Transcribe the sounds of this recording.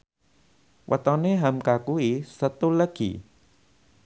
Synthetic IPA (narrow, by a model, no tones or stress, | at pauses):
wʔə̰t̪ɔneɦamkakuisət̪uləɡ̥ḭ